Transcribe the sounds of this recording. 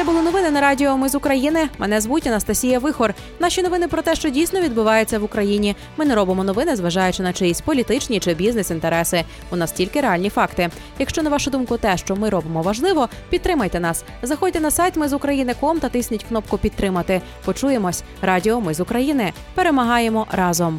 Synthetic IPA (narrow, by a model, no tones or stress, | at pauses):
ɛbʊlˠɪnɔʋɪnɪnɐɾɑdʲiɔmɪzʊkɾɐjinɪmɛnɛzʋutʲɐnɐst̪ɐsʲijɐʋɪxɔr | n̪ɑʃʲinɔʋɪnɪpɾɔt̪ɛʃt͡ʃɔdʲijsnɔʋʲid̪̚bʊʋɑjet͡sʲːɐʋʊkɾɐjinʲi | mɪnɛɾɔbɪmɔnɔʋɪnɪzʋɐʒɑjʊt͡ʃɪnɐt͡ʃɪjisʲtʲpɔlʲit̪ɪt͡ʃnʲit͡ʃɪbʲiznesint̪eɾɛsɪ | ʊnɑstʲilʲkɪɾeɑlʲnʲifɑkt̪ɪ | jɐkʃt͡ʃɔnɐʋɑʃʊd̪umkʊt̪ɛʃt͡ʃɔmɪɾɔbemɔʋɐʒlˠɪʋɔ | pʲid̪t̪ɾɪmɐjt̪ɛnɑs | zɐxɔdʲt̪ɛnɐsɑjt̪mɪzʊkɾɐjinɪkɔmt̪ɐt̪ɪsʲnʲitʲknɔpkʊpʲid̪̚t̪ːɾɪmɐt̪ɪ | pɔt͡ʃuje̞mɔsʲ | ɾɑdʲiɔmɪzʊkɾɐjinɪ | pe̞ɾe̞mɐɦɑjemɔɾɑzɔm